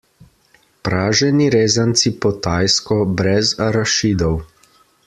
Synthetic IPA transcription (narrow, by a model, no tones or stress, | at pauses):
pɾaːʒɛniɾeːzant̪sipɔt̪aːjskɔbɾɛzaɾaʃiːd̪ɔw